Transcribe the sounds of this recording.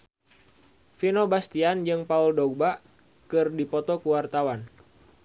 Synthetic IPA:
finobast̪iand͡ʒɨŋpauldɔɡ̚baʔ | kɨrdipɔt̪ɔkuwart̪awan

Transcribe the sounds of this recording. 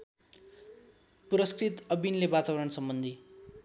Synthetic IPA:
puɾʌskrit̪ʌbinlebat̪abʌɾʌɳsʌmbʌnd̪ʱi

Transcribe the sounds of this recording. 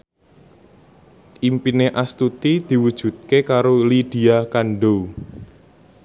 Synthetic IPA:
ʔimpineʔast̪ut̪id̪̥i̤wud̥ʒ̥ṳt̪̚kekaɾolid̥i̤akanɖou

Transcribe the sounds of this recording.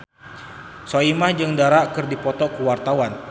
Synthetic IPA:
soimahd͡ʒɨŋdaɾaʔkɨrdipɔt̪ɔkəwart̪awan

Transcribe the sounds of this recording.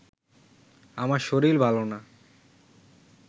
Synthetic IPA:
amaɾʃoɾiɾbʱalona

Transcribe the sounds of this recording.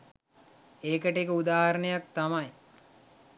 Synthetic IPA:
eːkəʈekəud̪aːɦaɾənəjak̚t̪amaj

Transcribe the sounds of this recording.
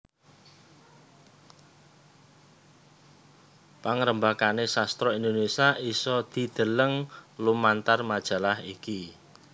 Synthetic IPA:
paŋɾəmbakanesast̪ɾɔind̪onesiaʔisɔd̪̥i̤d̪̥ə̤ləŋlumant̪armad̥ʒ̥a̤lahiki

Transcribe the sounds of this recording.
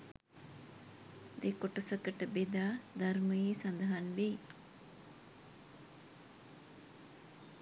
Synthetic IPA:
d̪ekoʈəsəkəʈəbed̪aːd̪arməjesand̪əɦanʋe

